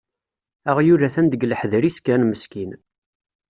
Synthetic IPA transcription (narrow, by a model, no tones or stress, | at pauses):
æʁjuɾæθænd̪əɡləħðɾiskænməskin